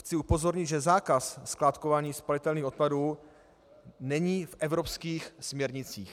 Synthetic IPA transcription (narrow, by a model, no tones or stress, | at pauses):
xt͡sɪupo̞zo̞ɾɲɪd̪ʒɛzaːkassklaːt̪kovaːɲiːspalɪt̪ɛlniːxo̞t̪̚paduː | nɛɲiːfʔɛvɾopskiːxsmɲɛɾɲɪt͡siːx